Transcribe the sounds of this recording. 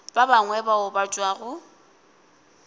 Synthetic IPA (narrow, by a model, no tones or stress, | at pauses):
b̥abaŋwɛbaʊbat͡ʃʼwaːɣʊ